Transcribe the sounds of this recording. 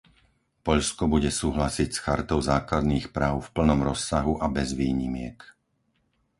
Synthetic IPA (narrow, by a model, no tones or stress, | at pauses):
pɔʎskɔbuɟɛsuːɦlasicsxaɾt̪ɔʊzaːklad̪niːxpɾaːʊfpl̩nɔmɾɔsːaɦuʔabɛzʋiːɲimɪɛk